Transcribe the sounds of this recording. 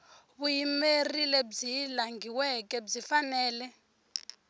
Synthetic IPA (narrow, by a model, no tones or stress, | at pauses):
βujimerilɛɓd͡zilaŋɡiwɛk̬ʼɛɓd͡zifanɛːlɛ